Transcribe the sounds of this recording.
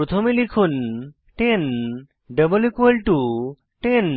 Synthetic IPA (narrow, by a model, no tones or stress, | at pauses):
ɾot̪ʰomilikʰun | ʈen | ɖəbolikwelʈu | ʈen